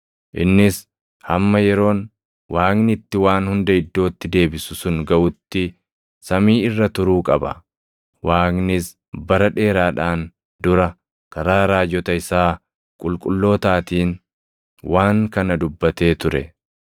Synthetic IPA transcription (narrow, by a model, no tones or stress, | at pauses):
ʔɪnːɪs | hɐmːɐjɛɾo̞ːn | wʔaːknɪt̪ːɪwaːnhʊnd̪ɐɪd̪ːo̞ːt̪ːɪd̪e̞ːbɪsʊsʊŋɡɐʔʊt̪ːɪ | sɐmiːɪrːɐt̪ʊɾuːkʼɐbɐ̰ | waːknɪs | bɐɾɐᶑe̞ːɾaːᶑaːn | d̪ʊɾɐ | kɐɾaːɾaːd͡ʒɔt̪ɐɪsaː | kʼʊlkʼʊlːo̞ːt̪aːt̪iːn | waːŋkɐnɐd̪ʊbːɐt̪e̞ːt̪ʊɾɛ̰